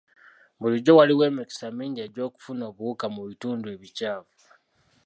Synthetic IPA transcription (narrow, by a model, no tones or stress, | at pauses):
βuliɟo̞waliwe̞ːmiki̥samiːɲɟeɟo̞ːku̥funo̞ːβuukamuβituːndue̞βicaːvu